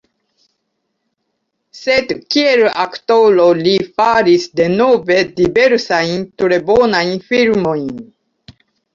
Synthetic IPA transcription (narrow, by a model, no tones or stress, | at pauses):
sedkielaktolo̞lifaɾisde̞nove̞dibe̞ɾsajntɾe̞bonajnfilmo̞jn